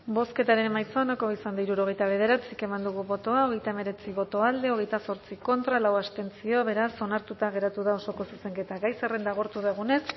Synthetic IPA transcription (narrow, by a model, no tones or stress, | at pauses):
bo̞ske̞t̪aɾe̞nemajt͡soanokoisand̪aiɾuɾo̞ɣ̞e̞jt̪aβ̞e̞ð̞e̞ɾat͡sike̞mand̪uɣuβo̞t̪o̞ao̞ɣe̞jt̪aeme̞ɾe̞t͡siβo̞t̪o̞ald̪e̞o̞ɣ̞e̞jt̪aso̞ɾt͡siko̞nt̪ɾalawast̪e̞nt͡sio̞βe̞ɾaso̞naɾt̪ut̪aɣe̞ɾat̪uðao̞so̞ko̞suseŋke̞t̪aɣajserend̪aɣ̞oɾt̪uðeɣ̞une̞s